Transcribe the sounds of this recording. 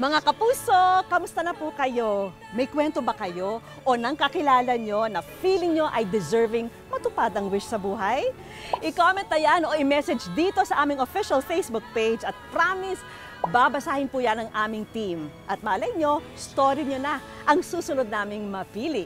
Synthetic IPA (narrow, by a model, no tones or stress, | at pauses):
mɐŋakɐpuːso̞kɐmʊst̪ɐnɐpukɐjo̞ | mɐjkwɛnt̪obɐkɐjo̞ | ʔonɐŋkɐkɪlaːlɐɲo̞nɐfiːlɪŋɲo̞ʔɐjd̪ɛzɛɹvɪŋ | mɐt̪ʊpad̪ɐŋwɪʃsɐbuːɦɐj | ʔɪkomɛnt̪ɐjanʔo̞ʔɪmɛsɛd͡ʒd̪iːt̪o̞sɐʔaːmɪŋofiʃɐlfejsbʊk̚pejd͡ʒɐt̪̚pɾamɪs | babɐsaːhɪnpuːjɐnɐŋʔaːmɪŋt̪imʔɐt̪̚mɐʔɐlɐʔɪɲo̞ | st̪oɾiɲonɐ | ʔɐŋsuːsʊnod̪̚naːmɪŋmɐfiːlɪ